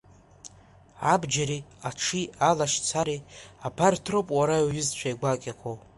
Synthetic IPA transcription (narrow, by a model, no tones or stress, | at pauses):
abd͡ʒaɾiaʈ͡ʂʰialaʃt͡sʰaɾiapʰartʰrowpʼwaɾaɥʏzt͡ɕʷʰaiɡʷakʲʼakʰʷo